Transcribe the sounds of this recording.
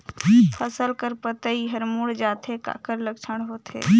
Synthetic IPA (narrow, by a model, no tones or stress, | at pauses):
pʰəsəlkəɾpət̪əiɦəɾmuɽd͡ʒaːt̪ʰeka̰ːkəɾləkt͡ʃʰəɽ̃ɦoːt̪ʰḛː